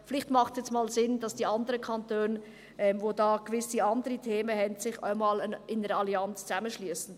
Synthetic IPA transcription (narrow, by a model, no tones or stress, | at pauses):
fɪlɪχtmɑχtsjɛt͡smɑːlzɪnd̥ɑsd̥iːɑndəɾəkʰɑntøːn | ʔɛmvoːdɑːɡ̥vɪsiɑndəɾitʰeːməhɛntsɪχa̰ɪnmɑːlənʔɪnəɾəɑliɑnt͡st͡sæməʃlyəsn̩